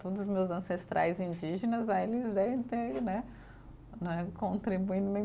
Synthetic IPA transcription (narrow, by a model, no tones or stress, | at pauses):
t̪od̪ʊzʊzmewzɐ̃sest̪ɾʔa̰jzĩnd͡ʒiʒenɐzaelɪzd̪ɛvẽj̃t̪eɾnɛ | nɐ̃ɛkõnt̪ɾibuĩnd̪ʊnẽj̃